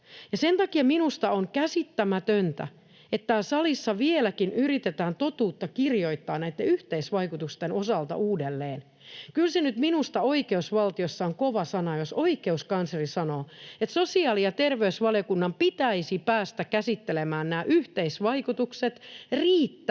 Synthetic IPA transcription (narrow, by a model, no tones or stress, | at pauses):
jɑsent̪ɑkiɑminust̪ɑoŋkæsit̪ːæmæt̪ønt̪æ̰ | et̪ːæːsɑlisːɑʋielækinyrit̪et̪æːnt̪ot̪uːt̪ːɑkirjoit̪ːɑːnæit̪ːeyht̪eisʋɑikut̪ust̪enosɑlt̪ɑ̰ʔuːdelːeːn | kylsenyt̪minust̪ɑoikeusʋɑlt̪iosːɑoŋkoʋɑsɑnɑjosoikeuskɑnsrisɑnoːet̪sosiɑːlijɑt̪erʋeysʋɑljokunːɑmpit̪æisipæːst̪ækkæsit̪ːelemæːnnæːʔyht̪eisʋɑikut̪ukset̪riːt̪ːæ